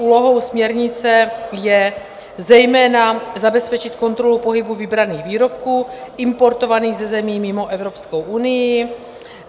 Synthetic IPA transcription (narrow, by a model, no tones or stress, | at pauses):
ʔuːlo̞ɦo̞wsmɲɛɾɲɪt͡sɛjɛ | zɛjmɛːnazabɛspɛt͡ʃɪt̪ko̞nt̪ɾo̞lupo̞ɦɪbuvɪbɾaniːɣviːɾo̞p̚kuːʔɪmpo̞ɾt̪o̞vaniːɣzɛzɛmiːmɪmo̞ʔɛvɾo̞pskowʔunɪjɪ